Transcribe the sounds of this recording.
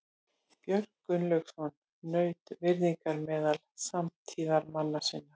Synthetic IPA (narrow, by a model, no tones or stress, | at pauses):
pjœɾkːʏnlœɥksɔnː | œːɥt̪vɪɾðiŋkaɾmɛːðalsamt̪ʰiːðaɾmanːḁsɪnːa